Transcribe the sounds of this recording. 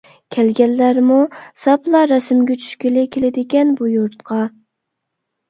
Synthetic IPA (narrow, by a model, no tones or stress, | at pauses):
kʲʰɛlɡʲɛlːæɾmusɑplˠɑɾɛsɪmɡʲɛt͡ʃʰy̥ʃkʲilɪkʲʰelɪd̪ɪkʲɛnbujuɾt̪̚qʰɑ